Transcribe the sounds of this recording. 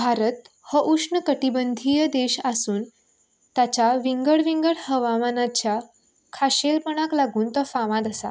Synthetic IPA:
bʱaɾət̪ | həʔuʂɳəkəʈibənd̪ʱijəd̪eɕasuːn | t̪jat͡ɕaʋiŋɡəɽʋiŋɡəɽhəʋamanat͡ɕja | kʰaɕelpəɽ̃aklaɡuːnt̪əfaʋãd̪əsa̰

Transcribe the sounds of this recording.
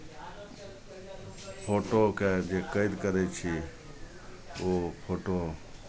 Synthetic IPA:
pʰoʈoked͡ʒekəɪd̪kəɾɛt͡ʃʰi | opʰoʈo

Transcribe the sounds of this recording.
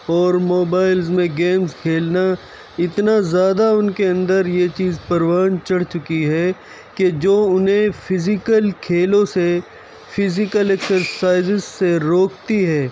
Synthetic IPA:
ɔːɾmoːbaːɪlzmẽɡeːmzkʰeːlna | ɪt̪nazjaːd̪aʊnkeɐ̃nd̪əɾjet͡ʃiːzpɐɾwaːnt͡ʃɐɽt͡ʃʊkiɦɛ | ked͡ʒoːʊnɦẽfʰɪzɪkəlkʰeːlõse | fʰɪzɪkəlɛksəɾsaːɪzɪsːeɾoːkt̪iɦɛː

